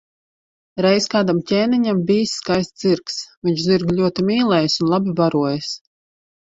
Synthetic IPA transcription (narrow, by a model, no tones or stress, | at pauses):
ɾɛjskaːd̪amcʲɛːniɲambiːsːkajst̪z̥iɾksviɲt͡ʃziɾɡʲlʲuɔt̪imiːlˠɛːjsunlˠabibaɾuɔjs